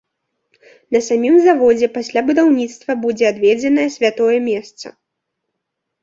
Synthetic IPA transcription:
nɐsamʲimzavɔd͡zʲɛpasʲlʲabud̪awnʲit̪st̪vɐbud͡zʲɛad̪vʲɛd͡zʲɛnɐjɛsʲvʲat̪ɔjɛmʲɛst̪sɐ̰

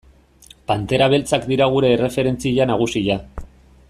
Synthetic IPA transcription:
pant̪e̞ɾaβ̞e̞lt͡sakd̪iɾaɣ̞uɾe̞ːre̞fe̞ɾe̞nt͡siʎanaɣ̞usiʎa

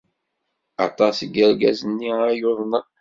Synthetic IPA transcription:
ɑ̰t̪ˤɑsɡəɾɡæzənːiæjoðˤnə

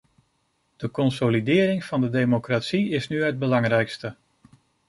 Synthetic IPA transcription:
d̥əkɔnsolidɪːɾɪŋv̥ɑndədejmokratsiɪsnyɦəd̚bəlɑŋrɛjkstə

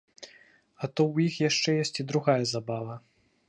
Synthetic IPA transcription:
ɐt̪ɔwjixjaʂt͡ʂɛjesʲt͡sʲid̪ɾuɣajɐzabavɐ

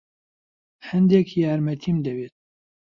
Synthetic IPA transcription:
hɛnd̪ɛkjaːɾmɛt̪ʰiːmd̪ɛbeːt̪̚

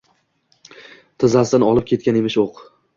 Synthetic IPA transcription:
t̪ʰɪzasd̪anɒlˠɪp̚kʲʰe̞t̪̚kʲane̞mɪʃoq

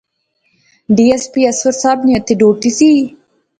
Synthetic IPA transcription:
ɖiespiasʊɾsɑːbnijat̪iɖoːʈisi

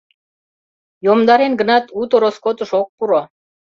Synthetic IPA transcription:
jomd̪ɑɾenɡə̆nɑt̪ut̪oɾoskot̪ə̆ʃok̚puɾo

